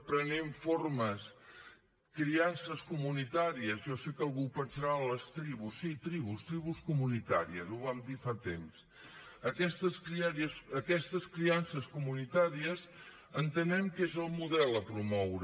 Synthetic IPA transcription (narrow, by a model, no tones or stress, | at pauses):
pɾəneɱforməs | kɾiansəskumunit̪aɾiəzʒɔsekəlˠɣupənsəɾaələst̪ɾiβusːit̪ɾiβ̞ust̪ɾiβ̞uskumunit̪a̰ɾiəzuβamd̪ifat̪ems | əkɛst̪əskɾiaɾiəsəkɛst̪əskɾiansəskumunit̪aɾiəz | ənt̪ənɛmkezəlˠmuðɛlˠəpɾumɔwɾə